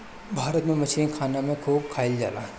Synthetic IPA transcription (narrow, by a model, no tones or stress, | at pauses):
bʱaːɾət̪mẽmɐt͡ʃʰinkʰaːnamẽkʰuːb̚kʰaːɪld͡ʒa̰ːlaːɦ